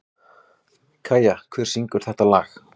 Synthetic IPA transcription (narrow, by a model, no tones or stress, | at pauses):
kʰaːjakʰvɛɾ̥siŋkʏɾ̥θɛht̪alaːx